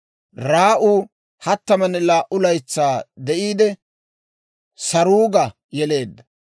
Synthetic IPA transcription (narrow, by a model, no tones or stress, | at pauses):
ɾaːʔuː | hɐt̪ːɐmɐnɛlaːʔʊlɐjt͡sːaːd̪ɛʔiːd̪ɛ | sɐɾuːɡɐ | jɛle̞ːd̪ːɐ